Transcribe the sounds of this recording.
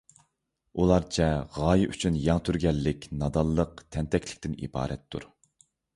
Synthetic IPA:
ulˠɑɾt͡ʃʰɛʁɑːjiʔyt͡ʃʰynjɑŋt̪ʰyɾɡʲɛlːɪkʲnɑd̪ɑlˠːəq̚t̪ʰɛnt̪ʰɛkʲʰlɪ̥kʲt̪ɪnḭbɑ̰ːɾɛt̪ʰːṵɾ

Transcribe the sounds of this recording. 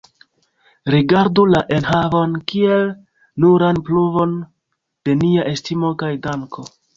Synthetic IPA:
ɾiɡaɾdulaʔe̞nɦavo̞nkie̞l | nuɾanpluvo̞n | d̥e̞niaʔe̞stimo̞kajdaŋko̞

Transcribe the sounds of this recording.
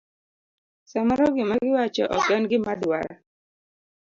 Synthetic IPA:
samaɾɔɡɪmaɡɪwat͡ʃɔʔɔkɛnɡɪmadwa̰ɾa̰

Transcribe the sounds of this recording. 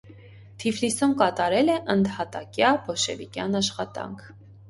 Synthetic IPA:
t̪ʰivlisumkɑt̪ɑɾɛlɛʔənd̪hɑt̪ɑ̰kjɑbɔʃɛ̰vikjɑnɑʃχɑt̪ɑ̰ŋkʰ

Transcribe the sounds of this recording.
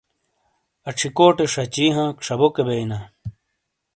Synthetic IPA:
ɐʈ͡ʂʰikoːʈeʂɐt͡ɕiːɦãːkʂɐbokebeina

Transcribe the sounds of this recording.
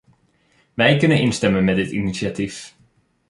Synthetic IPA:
ʋɛjkɵnənɪnstɛmənmɛdɪtḭnisiatif

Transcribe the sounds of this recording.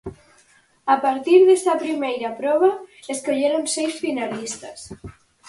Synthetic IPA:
apaɾt̪iɾðesapɾimejɾapɾɔβ̞aeskoʎeɾonsɛjsfinalist̪as

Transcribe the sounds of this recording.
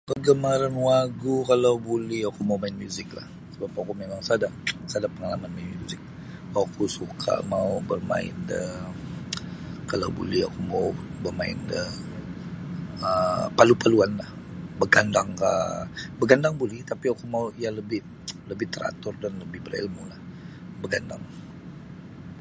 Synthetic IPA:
pəɡəmaɾanwaɡukalawbulɛhakumawmaɪnmjuzɪk̚la̰h | səbap̚akumemaŋsadasadapəŋalamanmaɪnmjuzɪk̚ | akusukʰa̰ʔmaubərma̰ɪ̰ndə | kala̰wbṵlɛhakumabərmaɪ̰ndə | əpalupaluanlah | bəɡandaŋka̰ʔbəɡandaŋbulɪht̪apiakumauialəbɪh | ləbɪt̪əɾa̰t̪ʊrdanləbɪhbərḭlmulah | bəɡandaŋ

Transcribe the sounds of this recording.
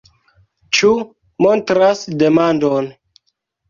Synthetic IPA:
t͡ʃu | montɾasdemandon

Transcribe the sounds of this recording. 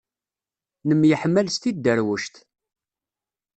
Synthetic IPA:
nəmjəħmːælst̪id̪ːəɾwəʃt̪

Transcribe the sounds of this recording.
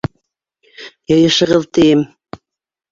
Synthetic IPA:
jɤ̆jɤ̆ʃɤ̆ʁɤðt̪ijɘm

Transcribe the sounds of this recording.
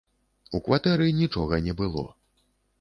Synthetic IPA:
ukvat̪ɛɾɨnʲit͡ʂɔɣɐnʲɛbɨlˠɔ̰

